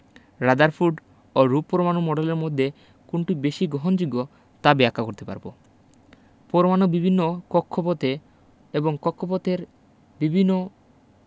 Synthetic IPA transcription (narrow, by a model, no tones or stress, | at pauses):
ɾad̪aɾfʰuɖ | oɾuppːɔɾomanomɔɖeleɾmod̪ʱːe | kunʈibeʃiɡɾɔɦond͡ʑuɡːo | t̪abɛakːakoɾt̪epa̰ɾbo̰ | pɔɾomanobibʱinːokɔkʰːopot̪e | eboŋkɔkʰːopot̪eɾ | bibʱinːo